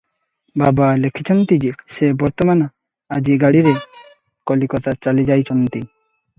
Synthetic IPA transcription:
babalekʰit͡ʃʰɔnt̪id͡ʒisebɔɾt̪ɔmana | ad͡ʒiɡaɽiɾe | kɔlikɔt̪at͡ʃalid͡ʒajt͡ʃʰɔnt̪i

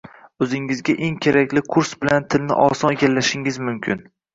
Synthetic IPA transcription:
ɵzɪŋɪzɡʲaʔe̞ŋkʲʰeɾakʲlɪkʰʊɾsbɪlant̪ʰɪlnɪ̰ʔɒsɒneɡʲalːaʃɪŋɪzmʊmkʲʰɪn

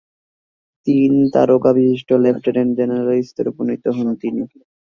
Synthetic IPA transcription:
t̪int̪a̰ɾokabiʃiʃʈolefʰʈeɾend͡ʑenaɾalist̪oɾuponit̪oɦont̪ini

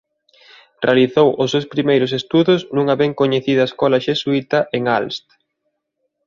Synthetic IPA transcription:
realiθowʔʊsːewspɾimejɾʊsest̪uðʊsnũŋɐβeŋkoɲeθiðɐaeskɔlɐʃesuit̪ɐʔeŋalst̪

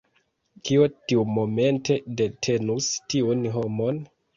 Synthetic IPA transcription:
kiotiumo̞me̞nte̞de̞tʰe̞nustiunɦo̞mo̞n

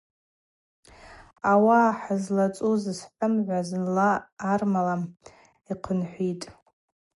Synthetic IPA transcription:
awaːħazlat͡sʼuzɨsħʷəmʕʷaznlaːrmalam | iqʰənħʷitʼ

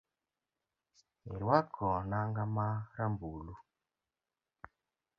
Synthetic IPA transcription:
ḭɾwakʰɔnaŋɡamaɾambuːlu

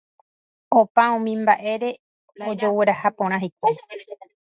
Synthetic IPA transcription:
opaũmĩmbaʔe̞ɾe̞ | od͡ʒoweɾahapõɾ̃ãɦejk̚ʷa

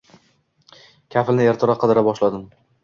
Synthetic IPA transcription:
kʲʰafɪlnɪe̞ɾt̪ʰɾaqʰɨd̪ɪɾabɒʃlad̪ɪm

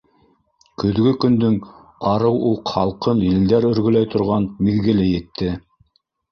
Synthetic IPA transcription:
kɵ̆ðɡɵkɵ̆nd̪ɵŋ | ɑɾɤwulˠχɑlˠqɤnjɘ̆ld̪æɾɵ̆ɾɡɵ̆læjt̪ŏɾʁɑnmiðɡɘ̆lɘjɘ̆t̪ʰːɘ

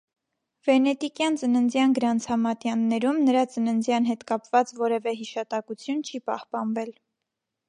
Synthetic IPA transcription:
v̥ɛnɛt̪ikjɑnt͡sənənd͡zjɑnɡəɾɑnt͡sʰɑmɑt̪jɑnːɛɾumnəɾɑt͡sənənd͡zjɑnɦɛt̪kɑpvɑt͡svɔɾɛvɛɦiʃɑt̪ɑkut͡sʰjunt͡ʃʰipɑ̰hpɑnvɛl

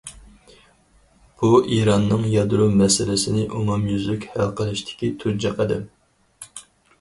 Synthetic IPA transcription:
b̥uʔiɾɑnːɨŋjɑd̪ɾumɛsɪlɪsɪnɪʔumumjyzykʲhælˠqʰəlˠɨʃt̪ʰɪ̥kʲit̪ʰuɾd͡ʒɛqʰəd̪ɪm

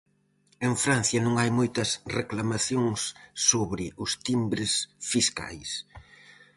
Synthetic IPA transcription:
eŋfɾan̟θjɐnõŋajmojt̪ɐsreklamaθjoŋsːoβɾɪʔʊst̪imbɾɪsfiska̰js

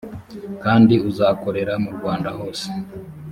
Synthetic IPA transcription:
kaːndiuzaːko̞ɾe̞ɾamuɾɡwaːndaho̞ːse̥

